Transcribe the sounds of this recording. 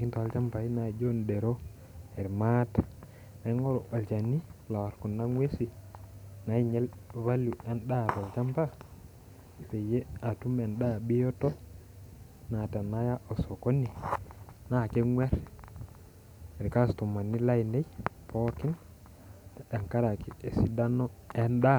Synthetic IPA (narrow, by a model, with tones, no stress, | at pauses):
i˦ntɔ˨a˦lt͡ʃa˦mba˨i˦na˨d͡ʒo˦nde˨ɾo˦ | ɛ˨ɾma˦tḁ˨ | na˨˦ŋɔ˦ɾo˨ʔa˨lt͡ʃa˨ni˦la˨ɾku˨nːa˦ŋwe˦si˨ | na˨˦i˦ɲɛ˦lβa˦lu˨ɛ˨nɗa˦˨ta˨lt͡ʃa˦mba˦˨ | pe˨je˦a˨tu˦mɛ˨nda˦bi˦jo˦tɔ˦ | na˨ta˨na˦ja˦ʔo˨so˨ko˦ni˨ | na˦˨ke˦ŋwɛ˦ɾ | e˨ɾka˦sto˨ma˨nːi˦la˦i˨ne˦jpʰɔ˦kɪ˦n | e˨ŋka˦ɾa˨ki˦e˨si˦da˦nɔ˦ɛ˦nda˦